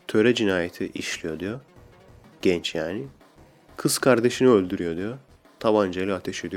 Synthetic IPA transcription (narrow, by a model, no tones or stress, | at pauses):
t̪ʰø̞ɾɛd͡ʒinaːjet̪ʰiʔiʃlʲijo̞d̪ijo | ɟ̥ɛnt͡ʃjaːni | kʰɯz̥kʰaɾd̪e̞ʃiniølʲd̪yɾyjo̞d̪ijo | t̪ʰaβand͡ʒelʲat̪ʰeʃijd̪ij